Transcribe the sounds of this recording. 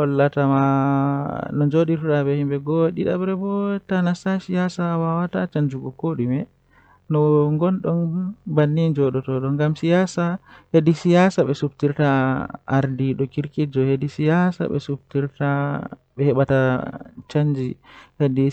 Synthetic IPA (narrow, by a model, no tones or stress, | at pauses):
hɔlːatama | nɔnd͡ʒoɗiɾtɗabɛhimbɛɡɔɗiɗa̰bɾɛbɔtanasasijasawawatat͡ʃaɲd͡ʒuɡɔkoɗimɛ | nɔŋɡɔnɗɔnbanːid͡ʒɔɗɔtɔɗɔŋɡamsijasahedisijasaɓɛsubtiɾtaa̰ɾdiɗɔkiɾkid͡ʒɔhedisijasa̰ɓɛ̰sub̚tiɾta | ɓɛhɛɓatat͡ʃaɲd͡ʒihedi